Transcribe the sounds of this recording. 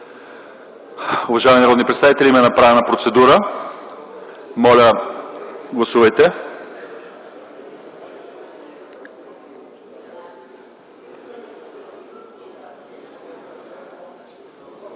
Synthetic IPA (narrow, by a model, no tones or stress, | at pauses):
ʊvɐʒaɛmʲinɐɾɔd̪nipɾɛt̪st̪avit̪ɛlʲimɛnɐpɾavɛnəpɾot̪sɛd̪uɾə | mɔlʲə | ɡlˠɐsuvɐjt̪ɛ